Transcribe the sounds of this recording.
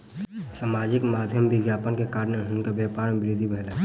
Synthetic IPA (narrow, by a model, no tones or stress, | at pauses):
saːmaːd͡ʒɪkmaːd̪ʱjəmbɪɡjaːpənkekaːɾnəɦnkabjaːpaːɾmbɪɾid̪ʱibɛɦla